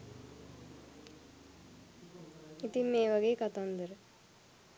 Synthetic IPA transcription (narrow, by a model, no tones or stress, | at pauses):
it̪imeːʋɐɡeːkɐt̪and̪əɾə